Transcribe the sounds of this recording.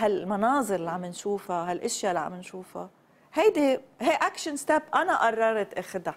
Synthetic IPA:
halmɑnɑːzˤɨɾɪlʕamːɪnʃuːfaɦalʔɪʃjalʕa̰mɪnʃuːfa̰ | hajd̪iɦaʔakʃanst̪abʔanaʔɑrˤːɑɾˤt̪ʔɪxd̪a

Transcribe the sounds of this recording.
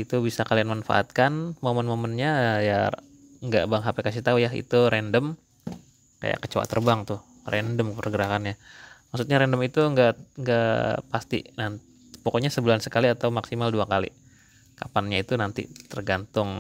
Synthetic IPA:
it̪ubisakalianmanfa̰ʔa̰t̪̚kanmomənmomənɲaja | ŋɡa̰ʔbaŋɦapɛkasiht̪aujaḭt̪uɾɛndəm | ka̰ja̰ʔkət͡ʃawa̰t̪ərbaŋt̪ʊh | rɛndəmkəpərɡəɾakanɲamaksut̪ɲaɾɛndəmit̪uŋɡaʔŋɡaʔpast̪ḭnant̪ | pokoɲasəbulansəkaliat̪awmaksimalduakalḭ | kapanɲait̪unant̪ḭt̪ərɡant̪ʊŋ

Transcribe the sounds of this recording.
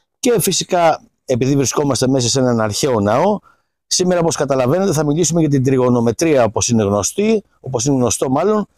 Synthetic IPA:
ce̞fisikɐ | e̞piðivɾisko̞mɐst̪e̞me̞s̬ɐsenɐnɐɾçe̞o̞nɐo̞ | simeɾɐoposkɐt̪ɐlɐve̞ne̞t̪eθɐmilisumeʝɐt̪̬id̪ɾio̞no̞me̞t̪ɾiɐoposine̞ɣno̞st̪i | oposineɣno̞st̪o̞mɐlo̞n

